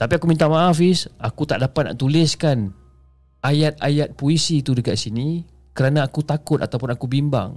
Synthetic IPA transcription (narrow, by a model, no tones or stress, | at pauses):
t̪apiakumĩnt̪amaafɪsakut̪aʔdapat̪̚na̰ʔt̪ulɪskan | ʔajat̪̚ajat̪̚poisit̪udəkaʔsini | kəɾanaːkut̪akʊt̪̚a̰t̪awpʊnakubimba̰ŋ